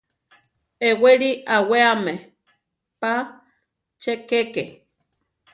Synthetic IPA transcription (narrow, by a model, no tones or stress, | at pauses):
eweɾiʔaweame | pa | t͡ʃekeke